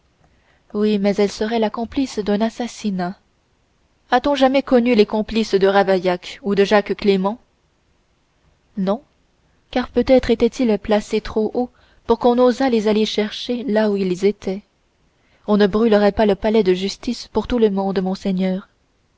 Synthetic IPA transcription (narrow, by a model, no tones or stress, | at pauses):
wimɛzɛlsəʁɛlakɔ̃plisd̪ɛ̃nasasina | at̪ɔ̃ʒamɛkɔnylekɔ̃plisd̪əʁavajakud̪əʒakklemɑ̃ | nɔ̃ | kaʁpøt̪ɛt̪χet̪ɛt̪ilplaset̪χoʔo | puʁkɔ̃nozalezaleʃɛʁʃelauilzet̪ʰɛ | ɔ̃nəbʁyləʁɛpaləpalɛd̪əʒyst̪ispuʁt̪uləmɔ̃d̪mɔ̃sɛɲœːʁ